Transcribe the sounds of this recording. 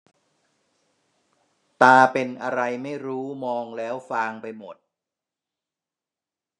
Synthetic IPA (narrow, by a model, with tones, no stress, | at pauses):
t̪aː˧pe˧nʔa˧ɾa˧jma˥˩jɾuː˦˥mɔː˧ŋlɛː˦˥wfaː˧ŋpa˧jmo˨˩t̪̚